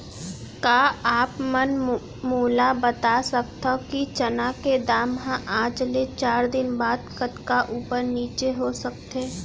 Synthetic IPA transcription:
kaːaːpmɐn | muːlabət̪asək̚t̪ʰəkit͡ʃɐnaked̪aːmɦãʔaːd͡ʒlet͡ʃaːɾd̪ɪnbaːd̪kət̪kaʔuːpəɾniːt͡ʃeɦosɐk̚t̪eː

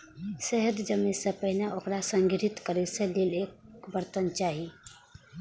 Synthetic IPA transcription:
sɛɦəd̪d͡ʒəmisepəɦneʔʊkɾasə̃ŋɡɪɾɪt̪kəɾeselileːkbəɾt̪ənt͡ʃaːɦi

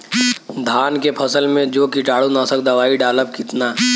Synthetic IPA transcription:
d̪ʱaːnkepʰɐsəlmẽd͡ʒoːkɪʈaːɽonaːsək̚d̪ɐʋaːiɖaːləpkɪt̪naː

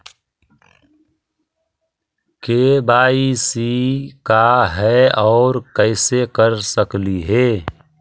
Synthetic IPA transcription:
keːbaːisikaɦɛɔːɾkɛɪsekəɾsəkliɦeː

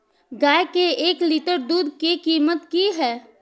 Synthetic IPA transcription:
ɡaːjkeeːkliʈəɾd̪uːd̪kikiːmət̪kiɦɛː

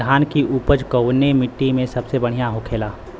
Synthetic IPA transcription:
aːnkiʔuːpəd͡ʒkəʊnemɪʈːimẽsɐbsebɐɽ̤ijaɦokʰeːlaː

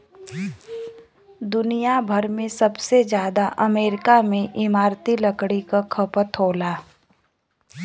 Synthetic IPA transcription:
d̪ʊnijabʱɐɾmẽsɐbsed͡ʒjaːd̪aʔɐmeːɾɪkamẽʔɪmaːɾt̪iləkɽikakʰəpət̪ɦoːlaː

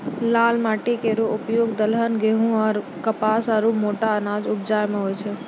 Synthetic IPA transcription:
laːlmaːʈekeːɾoʊpjoːɡd̪əlɦənɡeɦũɔːɾ | kəpaːsaɾumoːʈaənaːd͡ʒʊb̚d͡ʒaːjmẽɦoːjt͡ʃʰe

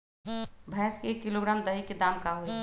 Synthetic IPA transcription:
bʱɛːskekːiloɡɾaːmd̪əɦikːed̪aːmkaɦoe

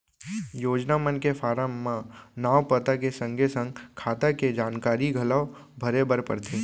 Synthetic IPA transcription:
joːd͡ʒnamənkefaːɾəmːãnaːʋpət̪akesə̃ŋɡʱesə̃ŋɡkʰaːt̪aked͡ʒaːnkaːɾiɡʱɐla | bʱəɾebəɾpə̰ɾt̪ʰe

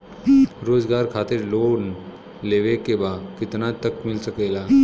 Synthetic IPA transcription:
ɾod͡zɡaɾkʰat̪iɾlon | leʋekebakit̪nat̪əkmilsəkela

